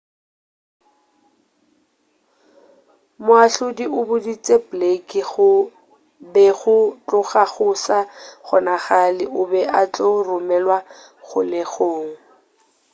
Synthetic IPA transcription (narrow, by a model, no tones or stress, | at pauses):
mʊaɬʊdiʔʊbʊdit͡sʼeplekʼɪχʊ | bɛχʊt͡ɬʼʊχaχʊsaχʊnaχalɪʔʊbɛʔat͡ɬʼorʊmɛlwa | χʊlɪχoːŋ̩